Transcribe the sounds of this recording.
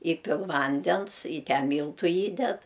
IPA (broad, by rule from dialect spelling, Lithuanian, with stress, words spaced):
ˈiːpʲɪlˠ ˈʋɐnʲdʲɛns ɪ ˈtʲɛn ˈmʲiːlˠtʊ ˈiːdʲɛt